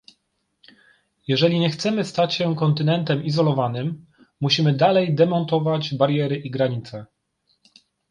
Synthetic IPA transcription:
jɛʐɛlʲiɲɛxt̪sɛmɘst̪at͡ɕɕɛkɔnt̪ɘnɛnt̪ɛmizɔlɔvanɘmː | uɕimɘd̪alɛjd̪ɛmɔnt̪ɔvad͡ʑbaɾjɛɾɘʔiɡɾaɲit̪sɛ

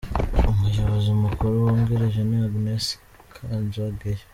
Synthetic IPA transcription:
umuʒoβozimukuɾuwoːŋɡeɾeʒeniaɡines | kʰazaɡeɾe

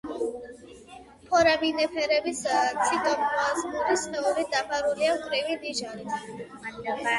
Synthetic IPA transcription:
pʰɔɾabinɛpʰɛɾɛbist̪sʰid̪ʼɔmazmuɾisχɛuɾid̪apʰaɾuliakʼɾivid̪iʒaɾi

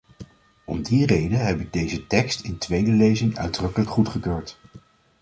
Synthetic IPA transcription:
ɔmdirejdənɦɛbɪk̚dejzətɛkstɪntʋejdəlejzɪŋœ̰ɥdrɵkələkχutχəkøːɹt

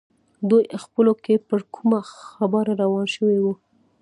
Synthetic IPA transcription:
d̪ujxpəlokepəɾkʰumaxabɑɾaɾawɑnʃəwiwu

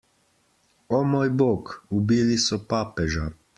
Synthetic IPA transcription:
ɔmoːjboːkubiːlisɔpaːpɛʒa

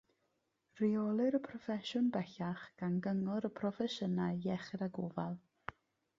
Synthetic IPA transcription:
riɔlˠɨɾəpʰrɔfɛʃʊnbɛɬaχɡ̥anɡəŋɔɾəpʰrɔfɛʃənaɨjɛχɪɾaɡoːvalˠ

